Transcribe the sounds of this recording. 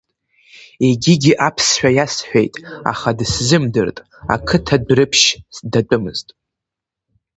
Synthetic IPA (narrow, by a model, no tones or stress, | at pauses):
e̞ɡʲiɡʲiʔapʰsħᶣajasħʷᶣejtʼa̰χadszɨmdɨrtʼ | a̰kʰɨtʰadrɨpʰʃsdatʷʼɨmɨ̰ztʼ